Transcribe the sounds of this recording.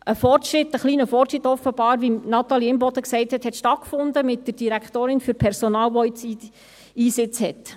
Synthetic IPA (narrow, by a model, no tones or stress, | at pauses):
ʔəfɔrtʃɾɪt̪ːəχliːnəfɔrʃɾɪtːɔfəb̥ɑːɾʋinɑt̪ɑliɪmbɔd̪əksɛɪthɛt̪hɛt̪ʃtɑt̚kfʊndəmɪt̚dərd̥iɾækχt̪oːɾɪnfyɾpʰɛɾsonɑːlʋɔɪt͡sit | iːsɪt͡shɛt